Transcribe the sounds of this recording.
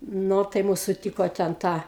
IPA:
ˈnoː tɐɪ ˈmʊs sʊˈtʲiːkoː tʲɛn ˈtɐ

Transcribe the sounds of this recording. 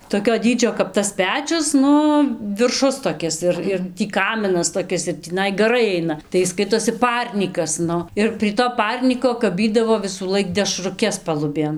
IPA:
toːˈkʲoː ˈdʲiːd͡ʒʲoː kɐp tɐs ˈpʲæːt͡ʃʲʊs ˈnʊ ʋʲɪrˈʃʊs toːˈkʲɪs ɪr ɪr ˈtʲiː ˈkɑːmʲɪnɐs toːˈkʲɪs ɪr tʲiːˈnɐɪ ɡɐˈrɐɪ ˈɐɪnɐ tɐɪ ˈɪs ˈskɐɪtoːsʲɪ ˈpɐrʲnʲiːkɐs ˈnʊ ɪr pʲrʲiɛ toː ˈpɐrʲnʲiːkoː kɐˈbʲiːdɐʋoː ʋʲɪsuːˈlˠɐɪk dʲɛʃrʊˈkʲɛs pɐlˠʊˈbʲeːn

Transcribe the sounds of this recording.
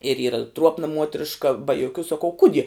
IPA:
ɪr ˈiːrɐ ˈtruɔpnɐ ˈmuɔtʲrʲɪʃkɐ bɐ joːˈkʲuː sɐˈkɐʊ ˈkʊdʲiɛ

